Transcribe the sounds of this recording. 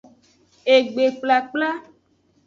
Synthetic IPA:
e˨ɡ͡be˨k͡pla˨k͡pla˦

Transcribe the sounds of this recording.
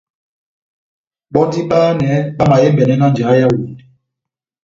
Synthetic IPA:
ɓɔ˦di˦ɓaː˦nɛ˨˦ɓa˦ma˨jɛ˦mbɛ˨nɛ˦na˦n˨d͡ʒa˨˦ja˦wi˨n˨

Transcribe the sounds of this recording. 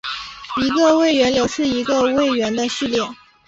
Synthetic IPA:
i˧˥ɡə˧we˥˩ɪɥɛ˧˥nljo˨˩ʊʂɻ̩˥˩i˧˥ɡə˧we˥˩ɪɥɛ˧˥nd̪ə˧ʂɻ̩˥˧ljɛ˥˩n

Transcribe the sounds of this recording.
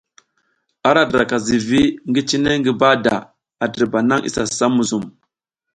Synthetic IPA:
a˦ɾa˨dɾa˨ka˨zi˨vi˦ŋɡi˦t͡ʃi˦ne˦ŋɡi˦ba˦da̰˨ | a˨də˨ɾba˨na˦ŋʔḭ˨sa˨sa˦mu˨zu˨m

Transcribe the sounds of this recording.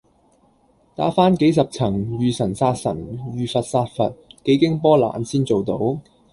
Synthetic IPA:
t̪aː˨˥faː˥nke˨˥jsɐ˨p̚t͡sʰɐ˨˩ŋɥyː˨sɐ˨˩nsaː˧t̚sɐ̰˨˩nɥyː˨fɐ˨t̚saː˧t̚fɐ̰˨t̚ke˨˥jkɪ˥ŋpɔː˥la̰ː˨nsiː˥nt͡so˨wt̪o˨˥w

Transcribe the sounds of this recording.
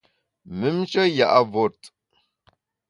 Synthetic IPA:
mə˨˦mt͡ʃə˦ja̰˨ʔa˨vo˨t

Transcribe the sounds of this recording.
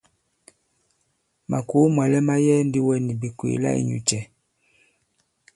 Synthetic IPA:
ma˨ku˨˦mwa˨lɛ˦ma˦jɛ˦ndi˦wɛ˦ni˨bi˨kwḛ˨la̰˦ḭ˨ɲṵ˨t͡ʃɛ˨

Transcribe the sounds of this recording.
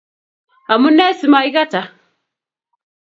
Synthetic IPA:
a˨mu˦nɛ˦si˨ma˨i˦ɣa˦ta˨

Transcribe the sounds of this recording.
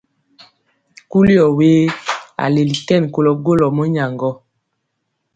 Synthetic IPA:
ku˦li˦ɔ˨weː˦a̰˨le˨li˨tɛ˦˨n˨ko˨lɔ˨ɡo˦lɔ˨mɔ˦ɲa˨ŋɡɔ˦

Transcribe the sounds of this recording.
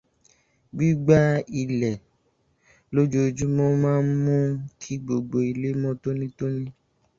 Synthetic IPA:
ɡ͡bi˦ɡ͡ba˦i˨lɛ˨ | lo˦d͡ʒo˦d͡ʒu˦mɔ̃˦mãː˦n̩˦mũ˦kʰi˦ɡ͡bo˨ɡ͡bo˨i˨le˦mɔ̃˦to˦nĩ˦to˦nĩ˦

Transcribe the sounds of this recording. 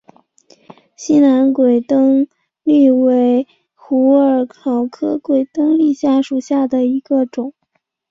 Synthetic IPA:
ɕi˥na˧˥nkwe˨˩ɪt̪ɤ˥ŋ | li˥˩we˧˥ɪ | xu˧˥ə˞˨˩kʰɑ˨˩ʊkʰɤ˥kwe˨˩ɪt̪ɤ˥ŋli˥˧ɕja˥˩ʂu˨˩ɕja˥˩d̪ə˩i˧˥ɡə˧ʈ͡ʂʊ˨˩˦ŋ

